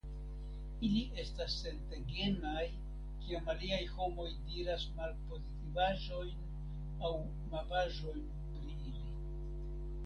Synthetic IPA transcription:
iliʔe̞stasːe̞nte̞ɡe̞naj | kiamaliajho̞mo̞jdiɾasmalpo̞zitivaʒo̞jn | aw | mapaʒo̞jn | pɾiili

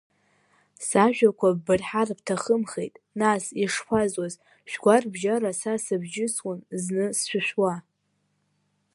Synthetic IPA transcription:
saʒᶣakʷʰaːɨrħarptʰaχəmχejtʼ | nasiʂpʰazwaz | ʃᶣɡʷarbʒaɾasasɨbd͡ʒɪswʊnznɨsʃʷʊʃʷᶣwa

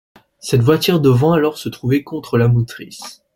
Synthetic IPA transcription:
sɛt̪vwat̪yʁd̪əvɑ̃alɔʁsət̪χuvɛkɔ̃t̪χəlamut̪χis

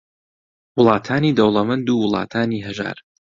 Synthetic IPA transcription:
wʊlˠɑːt̪ʰaːniːd̪ɐwlˠɐmɐnd̪uːwʊlˠɑ̰ːt̪ʰaːniːɦɐʒa̰ːɾ

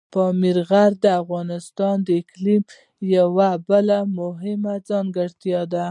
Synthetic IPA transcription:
pəmiɾɣaɾd̪əafɣɑnɪst̪ɑnd̪əɪklim | jawabəlamʊɦɪmad͡zɑŋɡəɽt̪jɑd̪a

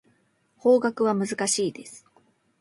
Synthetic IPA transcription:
ho̞ːɡakɯ̟βamɯ̟zɨkaɕiːd̪e̞sɨ̥

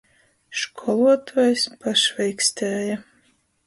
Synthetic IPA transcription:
ʃkʰɔlˠuɔt̪ʰuːjspaʃvɛjksʲt̪ʲæːja

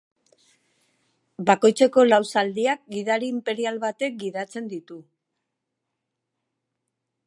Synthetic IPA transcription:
bako̞jt͡se̞ko̞lawsald̪iak̚ɡiðaɾiːmpe̞ɾialβat̪e̞k̚ɡiðat͡se̞nd̪it̪u

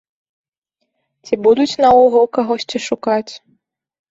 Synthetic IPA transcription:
t͡sʲibud̪ut͡sʲnɐwɔɣɔkaɣɔsʲt͡sʲiʂukat͡sʲ

